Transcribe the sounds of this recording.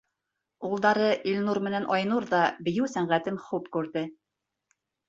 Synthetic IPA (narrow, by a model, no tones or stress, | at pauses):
ulˠd̪ɑɾɤʔilʲnuɾmɘ̆nænʔɑjnuɾðɑbɘ̆jɘwsæɴʁæt̪ɘmχupkʉɾðɘ